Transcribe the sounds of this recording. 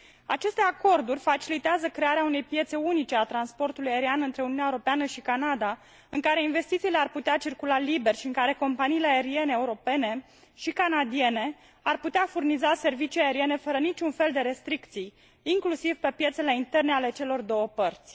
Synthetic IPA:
at͡ʃe̞st̪e̞ako̞rd̪urʲfat͡ʃilit̪eazəkɾe̞aɾeaune̞jpje̞t̪se̞unit͡ʃe̞at̪ɾanspo̞rt̪ulujaeɾianɨnt̪ɾe̞uniunʲaeuɾopeanəʃikanad̪a | ɨŋkaɾe̞inve̞st̪it̪siːle̞arput̪eat͡ʃirkulalibe̞rʲʃiɨŋkaɾe̞ko̞mpaniːleaeɾie̞neeuɾo̞pe̞ne̞ | ʃikanad̪ie̞ne̞ | arput̪eafurnizase̞rvit͡ʃijaeɾie̞ne̞fəɾənit͡ʃʲunfe̞ld̪e̞ɾe̞st̪ɾikt̪sij | iŋklusivpe̞pje̞t̪sele̞int̪e̞rne̞ale̞t͡ʃe̞lo̞rd̪o̞wəpərt̪sʲ

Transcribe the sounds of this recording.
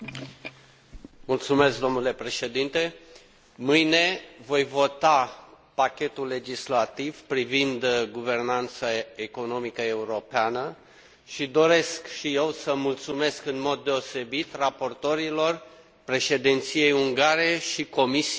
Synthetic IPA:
mult̪sume̞sk̚d̪o̞mnule̞pɾe̞ʃe̞d̪int̪e̞ | mɨjne̞vo̞jvo̞t̪a | pakʲe̞t̪ulːe̞d͡ʒislat̪ivpɾivind̪ɡuve̞rnant̪səeko̞no̞mikəe̞uɾo̞peanə | ʃid̪o̞ɾe̞skʃije̞wsəmult̪sume̞skɨnmo̞d̪ːe̞ose̞bit̪rapo̞rt̪o̞ɾilo̞r | pɾe̞ʃe̞d̪int̪sije̞juŋɡaɾe̞ʃiko̞misi

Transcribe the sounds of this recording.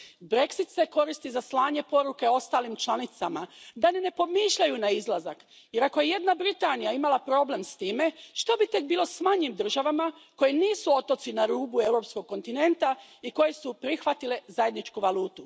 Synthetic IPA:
bɾe̞ksit̪se̞ko̞ɾist̪izaslaːɲe̞po̞ɾuke̞o̞st̪aːlimt͡ʃlanit̪samad̪anene̞po̞miːʃʎajunaizlˠazak | je̞ɾako̞jeje̞d̪nabɾit̪aːnijaimalapɾo̞ble̞mst̪iːme̞ʃt̪o̞bit̪e̞k̚biːlˠo̞smaɲimd̪r̩ʒaʋamako̞jeniːsuo̞t̪o̞t̪sinaɾuːbue̞wɾo̞psko̞ɡ̚ko̞nt̪ine̞nt̪aiko̞je̞supɾixʋat̪ile̞zaje̞d̪nit͡ʃkuʋaluːt̪u

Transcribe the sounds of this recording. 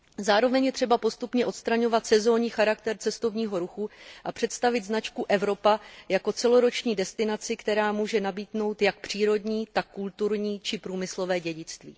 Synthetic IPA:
zaːɾo̞vɛɲjɛt̪r̝̥ɛbapo̞st̪upɲɛʔo̞t̪st̪ɾaɲo̞vat̪sɛzo̞ːɲiːxaɾakt̪ɛɾt͡sɛst̪o̞vɲiːɦo̞ɾuxuʔapr̝̥ɛt̪st̪avɪt̪znat͡ʃkuʔɛvɾo̞pajako̞t͡sɛlo̞ɾo̞t͡ʃɲiːdɛst̪ɪnat͡sɪkt̪ɛɾaːmuːʒɛnabiːdno̞wt̪jak̚pr̝̥iːɾo̞dɲiːt̪akːult̪uɾɲiːt͡ʃɪpɾuːmɪslo̞vɛːɟɛɟɪt͡st̪vḭː

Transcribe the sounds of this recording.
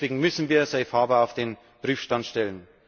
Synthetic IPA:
veːɡŋ̩mʏsn̩viːɐzaɪfaːbəaʊfd̥eːn | b̥ʁiːfʃtantʃtɛlən

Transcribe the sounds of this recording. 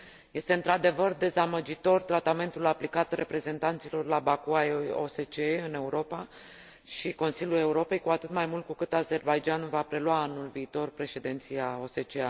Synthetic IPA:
je̞st̪eɨnt̪ɾad̪e̞vərd̪e̞zaməd͡ʒit̪o̞rt̪ɾat̪ame̞nt̪ulaplikat̪re̞pɾe̞ze̞nt̪ant̪silo̞rlabakuao̰se̞t͡ʃeɨne̞uɾo̞pa | ʃiko̞nsiljule̞uɾo̞pe̞jkuat̪ɨt̪majmult̪kukɨt̪aze̞rbajd͡ʒanvapɾe̞lwaːnulviːt̪o̞rpɾe̞ʃe̞d̪ent̪sijao̞se̞t͡ʃea

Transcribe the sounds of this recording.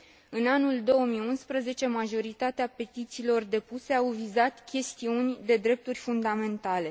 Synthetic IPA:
ɨnanuld̪o̞wəmijunspɾəze̞t͡ʃe̞maʒo̞ɾit̪at̪eape̞t̪it̪siːlo̞rd̪e̞puse̞awvizat̪kʲe̞st̪iunʲd̪e̞d̪ɾe̞p̚t̪urʲfund̪ame̞nt̪ale̞

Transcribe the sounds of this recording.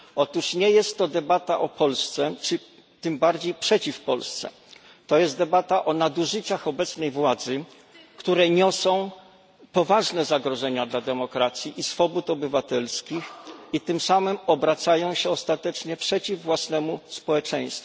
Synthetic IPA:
ɔt̪uʂɲɛjɛst̪ːɔd̪ɛbat̪aʔɔpɔlst̪sɛt͡ʂɘ | t̪ɘmbaɾd͡ʑejpʂɛt͡ɕifpɔlst̪sɛ̰ | t̪ɔjɛst̪d̪ɛbat̪aʔɔnad̪uʐɘt͡ɕaxɔbɛt̪snɛjvwad̪zɘ | kt̪uɾɛɲɔsɔ̃w̃ | pɔvaʐnɛzaɡɾɔʐɛɲad̪lad̪ɛmɔkɾat̪sʲjiʔisfɔbut̪ɔbɘvat̪ɛlskʲixit̪ɘmsamɘmɔbɾat̪sajɔ̃w̃ɕɛɔst̪at̪ɛt͡ʂɲɛpʂɛt͡ɕivːwasnɛmuspɔwɛt͡ʂɛj̃st̪fu

